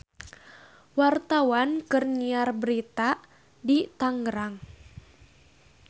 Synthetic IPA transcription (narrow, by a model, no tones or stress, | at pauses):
wart̪awankɨrniarbəɾit̪a | dit̪aŋɡəɾaŋ